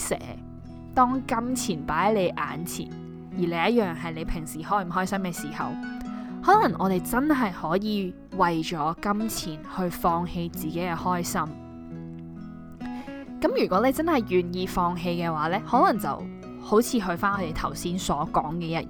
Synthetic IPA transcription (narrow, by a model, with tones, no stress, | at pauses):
sɛ̰ː˨˥ | t̪ɔː˥ŋkɐ˥mt͡sʰiː˨˩npaː˨˥jle˨˧jʔa̰ː˨˥nt͡sʰḭː˨˩n | jiː˨˩le˨˧jɐ˥t̚jœː˨ŋɦɐ˨jle˨˧jpʰɪ˨˩ŋsiː˨˩hɔː˥jm̩˨˩ɦɔː˥jsɐ˥mkɛː˧siː˨˩hɐ̰˨˩whɔː˨˥lɐ˨˩ŋʔɔ̰ː˨˧t̪e˨jt͡sɐ˥nɦɐ˨jhɔː˨˥jiː˨˧ | wɐ˨jt͡ʃɔː˨˥kɐ˥mt͡sʰiː˨˩nhɵ˧ɥfɔː˧ŋhe˧jt͡siː˨ke˨˥kɛː˧hɔː˥jsɐ˥m | kɐ˨˥mjyː˨˩kʷɔː˨˥le˨˧t͡sɐ˥nhɐ˨˩jɥyː˨˩njiː˧fɔː˧ŋɦe˧jkɛː˧waː˨˥lɛː˥hɔː˨˥lɐ˨˩ŋt͡sɐ̰˨w | ho˨˥wt͡sʰiː˨˧ɦɵ˧ɥfaː˥nʔɔː˨˧t̪e˨jt̪ʰɐ˨˩wsiː˥nsɔː˨˥kɔ̰ː˨˥ŋkɛː˧jɐ˦˥t̚